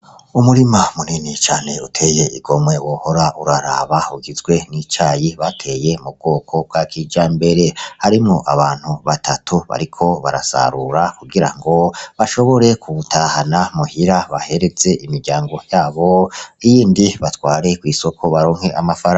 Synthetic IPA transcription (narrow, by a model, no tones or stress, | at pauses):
umuɾimamuninit͡ʃaːne̞utʰe̞ːje̞ʔiɡo̞mwe̞woho̞ɾaʔuɾaɾa̰βauɡizɡwe̞nit͡ʃaːjiβatʰe̞je̞mub̚ɡo̞ːkʰo̞b̚ɡakʰid͡ʒaːmbe̞ɾe̞haɾimŋo̞ʔaβaːn̥huβatʰatʰuβa̰ɾikʰo̞βa̰ɾa̰sa̰ɾuɾakuɡiɾa̰ŋɡo̞βaʃo̞βo̞ɾe̞kʰuutʰaːhanamuhiɾaβahe̞ɾe̞d͡ze̞ʔimiɾɟaːŋɡo̞jaːβoijiːndiβatwaːɾe̞kwiːso̞kʰo̞βaɾoːŋ̥he̞ʔamafaɾa